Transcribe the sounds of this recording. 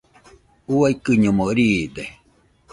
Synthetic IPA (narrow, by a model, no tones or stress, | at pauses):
uaikɨɲomoɾiːd̪e